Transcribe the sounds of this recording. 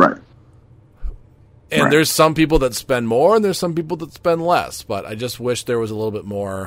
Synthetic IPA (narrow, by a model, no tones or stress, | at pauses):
a̰ɪt̚ | ɨ̃nðə˞z̥sʌ̃mpip̬l̩ˠðɨtspɛ̃nmɔɹə̃nðə˞z̥sʌ̃mpipl̩ˠðətspɛ̃ndlɛ̰sb̥ʌɾa̰ɪd͡ʒʌst̚wɪʃðə˞wʌzəlɪɾl̩ˠbɪt̚mɔɹ